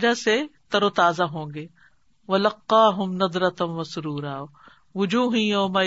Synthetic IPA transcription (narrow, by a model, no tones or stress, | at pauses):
d͡ʒaset̪ɐɾoːt̪aːzaɦõːɡeː | ʋɐlɐqːɑːɦʊmnɐd̪ˤɾɐt̪ʋɐsʊɾuːɾaː | ʋʊd͡ʒuːɦĩjɐːma